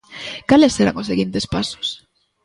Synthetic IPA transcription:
kalesːeɾa̰ŋoseɣint̪espasʊ̥s

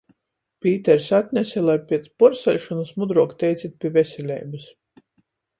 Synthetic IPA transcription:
pʲiːt̪ɛɾsat̪ʲnʲɛsʲɛlˠajpʲiɛt̪spɔɾsɛlʲʃɔnusmud̪ɾuɔkt̪ɛjt̪sʲit̪̚pʲivesʲɛlʲɛ̰jbɨs

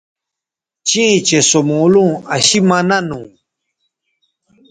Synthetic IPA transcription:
t͡ɕĩt͡ɕesomoːlũːɐɕimɐnɐnũ

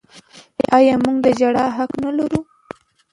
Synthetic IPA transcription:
eʔɑjɑmuɡd̪əd͡ʒaɽɑɦaqnalaɾu

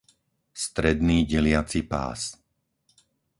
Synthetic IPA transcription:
st̪ɾɛd̪niːɟɛlɪat͡sipa̰ːs

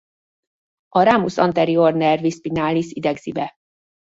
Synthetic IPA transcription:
ʔɒɾaːmusɒnt̪ɛɾiornɛrvispinaːlːisid̪ɛɡz̥ibɛ

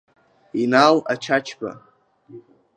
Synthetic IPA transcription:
inalat͡ʃʰat͡ʃʰba̰

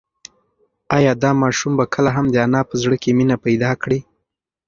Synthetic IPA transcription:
ɑjɑd̪ɑmɑʃumbakʰəlaɦamd̪əanɑpəzɽəkeminapajd̪ɑkɽi

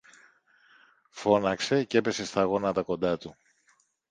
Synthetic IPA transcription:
fo̞nɐkse̞ce̞pe̞se̞st̪ɐɣo̞nɐt̪ɐko̞nd̪ɐt̪u

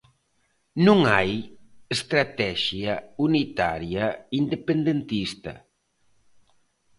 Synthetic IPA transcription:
nũŋajest̪ɾat̪ɛʃjaunit̪a̰ɾjɐind̪epend̪ent̪ist̪ɐ̰

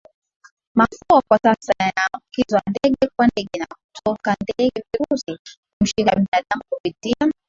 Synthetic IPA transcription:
mafuakwasasaajafukizwandɛɠɛkwandɛɠɛnakutʰɔkandɛɛɠɛviɾusikum̩ʃikaɓinaɗamukupitia

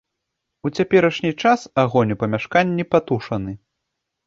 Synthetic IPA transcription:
ut͡sʲapʲɛɾɐʂnʲit͡ʂasaɣɔnʲupɐmʲaʂkanʲːipat̪uʂɐnɨ

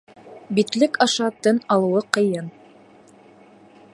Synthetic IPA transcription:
bit̪lɘkɑʃɑt̪ɘnɑlˠɤ̆wɤqɤ̆jɤn

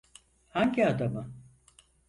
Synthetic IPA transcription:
haɲɟiad̪amɯ

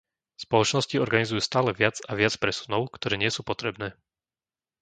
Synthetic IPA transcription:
spɔlɔt͡ʃnɔsciɔɾɡanizujuːst̪aːlɛʋɪad͡zaʋɪat͡spɾɛsunɔʊkt̪ɔɾɛːɲɪɛsuːpɔt̪ɾɛbnɛː

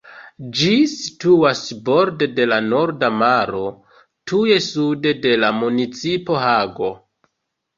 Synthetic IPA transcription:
d͡ʒisi̥tuasbo̞ɾdede̞lano̞ɾdamaɾo̞ | tʰuje̞sude̞de̞lamunit͡sipo̞ɦaɡo̞

